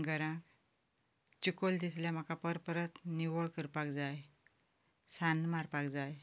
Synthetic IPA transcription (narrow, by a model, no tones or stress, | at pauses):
ɡəɾãk | t͡ɕukold̪isljam̤akapəɾpɾət̪niʋoɭkəɾpakd͡zaj | sanmaɾpakd͡zaj